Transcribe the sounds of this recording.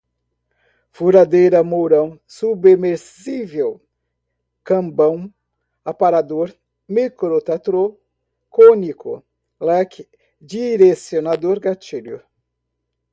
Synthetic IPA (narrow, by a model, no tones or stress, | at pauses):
fuɾad̪ejɾɐmowɾɐ̃w̃subemeɾs | ivew | kɐ̃mbɐ̃w̃ | apaɾad̪oɾ | mikɾot̪at̪ɾo | konikʊ̰ | lɛk | d͡ʒiɾesionad̪oɾɡat͡ʃiljʊ̰